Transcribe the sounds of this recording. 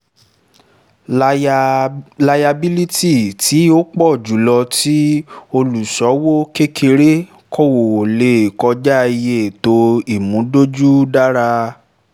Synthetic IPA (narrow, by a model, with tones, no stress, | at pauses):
la˧ja˧bi˦li˦ti˦˨ti˨˦o˦k͡pɔ˦˨d͡ʒu˨lɔ˧ti˦o˧lu˨sɔ˨˦wo˦ke˦kʰe˧ɾe˦ | kʰɔ˦wo˨o˨le˨kɔ˧d͡ʒa˦i˧je˦˨to˧˦i˦˨mũ˨˦do˦d͡ʒu˦da˦ɾa˧